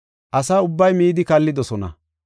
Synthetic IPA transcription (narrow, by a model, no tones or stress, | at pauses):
ʔɐsaːʊbːɐjmiːd̪ɪkɐlːɪd̪ɔsɔnɐ̰